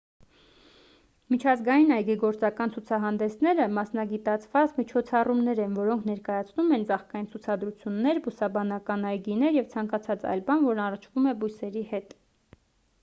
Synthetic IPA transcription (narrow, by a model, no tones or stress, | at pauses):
mit͡ʃʰɑzɡɑjinɑjɡiɡɔɾt͡sɑkɑnt͡sʰut͡sʰɑɦɑnd̪ɛsnɛɾəmɑsnɑɡit̪ɑt͡sʰvɑt͡smit͡ʃʰɔt͡sʰɑrumnɛɾɛnvɔɾɔŋkʰnɛɾkɑjɑt͡sʰnumɛnd͡zɑχkɑjint͡sʰut͡sʰɑd̪ɾut͡sʰjunːɛɾbusɑbɑnɑkɑnɑjɡinɛɾjɛvt͡sʰɑŋkɑt͡sʰɑt͡sɑ̰jlbɑnvɔɾnɑrət͡ʃʰvumɛbujsɛɾihɛt̪